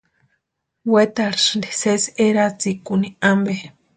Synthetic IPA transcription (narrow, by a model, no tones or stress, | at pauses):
wet̪aɾʂndiseseɾat͡sikuniambe